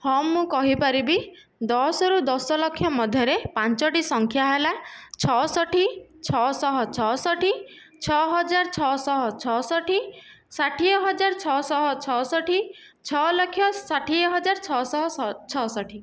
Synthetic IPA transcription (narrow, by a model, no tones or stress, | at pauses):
hɔmːũkɔɦipaɾibi | d̪ɔsɔɾud̪ɔsɔlɔkʰːjɔmɔd̪ʱjɔɾepant͡ʃɔʈisɔŋkʰjaɦelat͡ʃʰɔsɔʈʰit͡ʃʰɔsɔɦɔt͡ʃʰɔsɔʈʰi | t͡ʃʰɔɦɔd͡ʒaɾt͡ʃʰɔsɔɦɔt͡ʃʰɔsɔʈʰi | saʈʰiɔɦɔd͡ʒaɾt͡ʃʰɔsɔɦɔt͡ʃʰɔsɔʈʰi | t͡ʃʰɔlɔkʰːjɔsaʈʰiɔɦɔd͡ʒaɾt͡ʃʰɔsɔɦɔt͡ʃʰɔsɔʈʰi